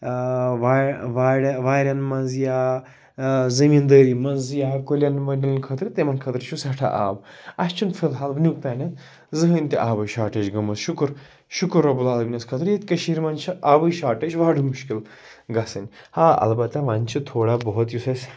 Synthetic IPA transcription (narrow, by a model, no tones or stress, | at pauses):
ʋaʋaːɽɐʋaːɾʲɐnmɐnzjaː | zɐmiːnd̪əːɾiːmɐnzjaːkolʲɐnmɐɖʲɐlʲnʲkʰɐt̪ɾɨt̪emɐnkʰɐt̪ɾʃʰusɐʈʰa̰ʔa̰ːbɐst͡ʃʰunfʰɨd̪ɦaːlbnʲuk̚t̪aːnʲɐn | zɨɦənʲt̪iʔaːbɐjʃaːʈɐt͡ʃɡɐmɐsʃukɾ | ʃukɾːɐbulaːlbʲinʲɐskʰɐt̪ɾjet̪ʲkɐʃiɾʲmɐnt͡ʃʰʔaːbɨjʃaːʈɐt͡ʃʋaːɖumuʃkil | ɡɐsɐnʲhaːɐ̰lbɐt̪ːɐʋaːnʲt͡ʃʰit̪ʰoːɽaːbɔɦɔt̪jusɐsʲ